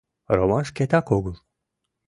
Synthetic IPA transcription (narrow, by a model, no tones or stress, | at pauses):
ɾomanʃkʲet̪ʰakoɡulˠ